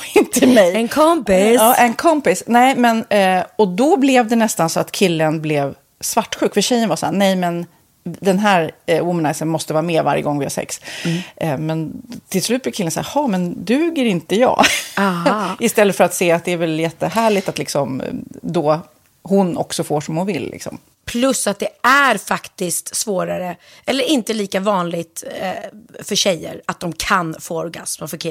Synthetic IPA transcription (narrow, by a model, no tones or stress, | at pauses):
ɪnt̪əmɛjɛnkʰɔmpɪɑːʔɛnkʰɔmpɪsnɛːmɛnɔd̪ɔblɛvd̪ɛnɛst̪ansɔat̪kʰɪlːənblɛv | svaʈːɧʉ̟ːkfœlɕɛjːənvaɾsahːnɛjmɛn | d̪ɛnɦæːɾwʊmənaɪsənmɔst̪əvɑːɾameːva̰ɾjəɡɔŋːvɪha̰sɛ̰ks | mɛnt̪ʰɪlslʉ̟t̪blɛkʰɪlːənsa̰æːɾhɑːmɛnd̪ʉ̟ːɡəɾɪnt̪əjɑ̰ː | ɪst̪ɛlːət̪fœɾat̪seːat̪̚d̪ɛːvɛljɛt̪ːəɦæːɭɪt̪at̪lɪksɔmd̪ɔ | hʊnɔ̰ksɔfoːʂɔmhʊnvɪ̰lːɪ̰ksɔ̰m | pʰlɵsːat̪̚d̪ɛæɾfakt̪ɪst̪svoːɾaɾə | ʔɛlːəɾɪnt̪əliːkavɑːnlɪɡt̪ | fœɕɛjːə̰ɾat̪̚d̪ɔmkʰanfoːɾɡasməfœɾkʰɪ